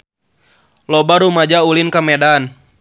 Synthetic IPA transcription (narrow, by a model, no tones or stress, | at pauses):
lɔbaɾumad͡ʒaulinkamɛdan